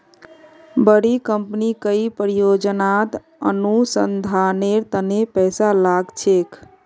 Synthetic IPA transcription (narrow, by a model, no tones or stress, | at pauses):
bəɽikəmpnikəipəɾijod͡ʒənat̪ | ə̰nusənd̪ʱaneɾt̪ənepɛsalaɡt͡ʃʰek